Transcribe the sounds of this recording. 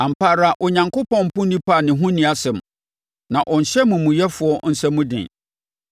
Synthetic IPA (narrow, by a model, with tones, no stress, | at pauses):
ã˨m̩˨pʰaː˨ɾa˨ʔɔ˨ɲã˨ŋkʊ˦pɔ̃˦˨m̩˨pʊ̃˦nĩ˦pʰa˦˨nɪ̃˨ɦũ˦nĩ˨˦a˨sɛ˨m | nã˨ʔɔ̃˨n̩˨ɕɛ˦mũ˨mũ˨jɛ˦fʊ˨˦ɔ˦n̩˦sɛ˦mũ˦dɪ̰̃˨